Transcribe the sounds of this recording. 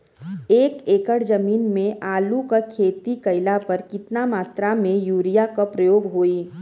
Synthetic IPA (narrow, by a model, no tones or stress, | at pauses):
eːkeːkəɽd͡ʒəmiːnmẽʔaːlukakʰeːt̪ikɐɪlapɐɾkɪt̪namaːt̪ɾamẽjuːɾijakapɾɐjoːɡɦoːi